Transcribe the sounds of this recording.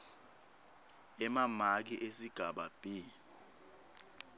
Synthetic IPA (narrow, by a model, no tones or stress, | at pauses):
ɛmamak̬iʔesiɡ̥ʱaɓab̥ʱi